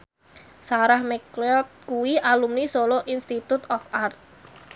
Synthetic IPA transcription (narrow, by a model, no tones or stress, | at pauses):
saɾahmeklɔt̪̚kuwiʔalumnisoloʔinst̪it̪ut̪ɔfart̪̚